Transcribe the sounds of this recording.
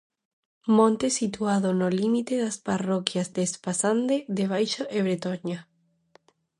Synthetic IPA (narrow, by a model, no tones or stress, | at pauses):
mõnt̪esit̪waðonolimit̪eðasparokjazd̪espasand̪eðeβ̞ajʃoʔeβɾet̪oɲa